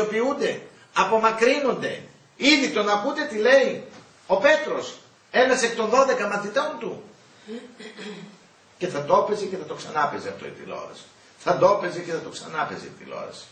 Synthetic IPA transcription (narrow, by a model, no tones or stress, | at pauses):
opiund̪e̞ | ɐpo̞mɐkɾino̞nd̪e̞̰ | iðit̪o̞nɐput̪e̞t̪ile̞i | o̞pe̞t̪ɾo̞s | e̞nɐsek̚t̪o̞nðo̞ðe̞kɐmɐt̪it̪o̞nt̪u | ce̞θɐt̪ope̞zice̞θɐt̪o̞ksɐnɐpeziɐft̪o̞̰ḭt̪ḭlo̰ɾɐ̰s | θɐd̪o̞pe̞zice̞θɐt̪o̞ksɐ̰nɐpe̞ziḭt̪ḭlo̞̰ɾɐ̰s